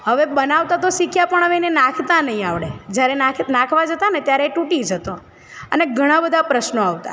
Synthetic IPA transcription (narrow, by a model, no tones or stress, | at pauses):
ɦəʋebənaʋt̪at̪oʃikʰjapəɳɦəʋenenakʰt̪anəɦĩaʋɭed͡ʒjaɾenakʰnãkʰʋad͡ʒət̪anet̪jaɾeʈuʈid͡ʒʱət̪o | əneɡʱəɽ̃ãbəd̪ʱapɾəʃnoaʋt̪a̰